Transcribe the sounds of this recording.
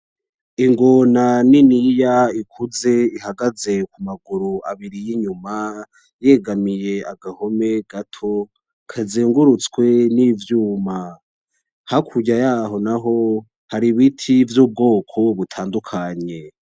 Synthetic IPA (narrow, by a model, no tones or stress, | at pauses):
iŋɡonaninijaikʰuze̞ihaɡaze̞kumaɡuɾua̰βiɾijiɲuma | je̞ɡamije̞aɡaho̞me̞ɡatʰo̞ | kʰaziːŋɡuɾut͡skwe̞nivjuːma | hakʰuɟajaːɦo̞naɦo | haɾiβitʰivjuːb̚ɡo̞ːkʰo̞βutʰaːndukʰaɲe̞